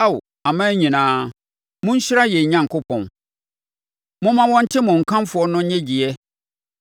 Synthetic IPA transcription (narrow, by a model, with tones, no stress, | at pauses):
a˦w | a˨mã˦ɲĩ˨nãː˦ | mʊ̃˦ɲ̩˦ɕɪ˦ɾa˦jɛ˨ɲã˦ŋ̩˨kʰʊ˦pʰɔ̰̃˨n | mʊ̃˦mã˦wɔ̃˦n̩˦tʰɪ˦mʊ̃˨ŋ̩˨kʰã˦m˦fʊ˨ɔ˦nʊ̃˦ɲɛ̃˦d͡ʑi˨ɛ˦